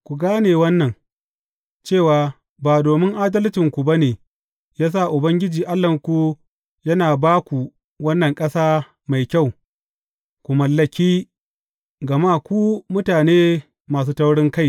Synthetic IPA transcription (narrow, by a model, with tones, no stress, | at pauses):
kʷu˨ɡaː˦neː˨wɐ˦nːɐ˨ŋ | t͡ʃeː˦˨waː˨ | baː˨doː˨mɪ˦ŋʔaː˦dɐ˦ltɪ˨ŋkʷu˨bɐ˦neː˨ | jaː˦s̬aː˦˨ʔʊ˨bɐ˦ŋɡʲɪ˦d͡ʒiː˨ʔa˦lːɐ˨ŋkʷu˦ | jɐ˦naː˨baː˦kʷu˨ | wɐ˦nːɐ˨ŋkʼɐ˦saː˦ | ma˨jkʲa˦˨w | kʷu˨mɐ˨lːɐ˨kʲiː˦ | ɡɐ˨maː˦kʷuː˦mʊ˦taː˨neː˦ | maː˨s̬uː˦tɐ˦wɽɪ˦ŋka˦j